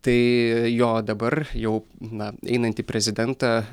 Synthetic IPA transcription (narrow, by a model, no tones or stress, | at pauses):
t̪ɐɪjoːd̪ɐbɐrjɛʊnɐɛ̰ɪnɐnt̪ʲiːpʲɾʲɛzʲɪd̪ʲɛnt̪ɑː